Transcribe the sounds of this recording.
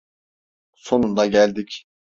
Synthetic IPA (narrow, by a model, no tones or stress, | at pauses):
so̞nund̪ɑɟælʲd̪ic